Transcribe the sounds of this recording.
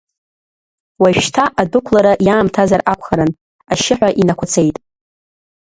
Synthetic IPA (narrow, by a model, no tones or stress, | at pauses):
waʃᶣtʰaʔadukʷʰlaɾaʔjaːmtʰazarakʷʰχaɾan | aʃɪħʷᶣaʔinakʷʰat͡sʰe̞jtʼ